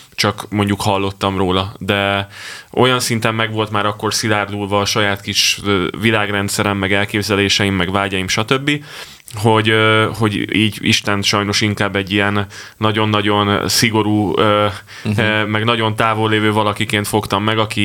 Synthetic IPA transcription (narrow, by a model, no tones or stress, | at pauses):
t͡ʃɒkmo̞ɲɟukhɒlːo̞t̪ːɒmroːlɒd̪ɛ | ʔo̞̰jɒnsint̪ɛmːɛɡvo̞lt̪maːɾɒkːo̞rsilaːrd̪ulvɒːʃɒjaːt̪kiʃvilaːɡrɛnt̪sɛɾɛmːɛɡɛlkeːbzɛleːʃɛimːɛɡvaːlɟɒjimʃɒt̪ø̞bːi | ɦo̞ɟɦo̞ɟiːɟḭʃt̪ɛnt̪ʃɒjno̞ʃiŋkaːbːɛɟːijɛnː | ɒɟo̞nːɒɟo̞nsiɡo̞ɾuːøː | mɛɡnɒɟo̞nt̪aːvo̞lːeːvøːvɒlɒkikeːnt̪fo̞kt̪ɒmːɛɡɒki